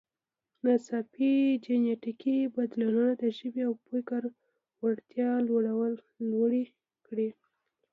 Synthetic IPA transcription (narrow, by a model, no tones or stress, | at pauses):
nasɑpid͡ʒeneʈikibad̪lununad̪əʒəbiawpukəɾ | waɽt̪jɑlwoɽawəlː | oɽi | kɽi